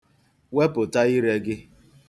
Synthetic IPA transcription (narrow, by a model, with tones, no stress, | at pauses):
we˦pʊ˨ta˦i˦ɾe˦ɡɪ˦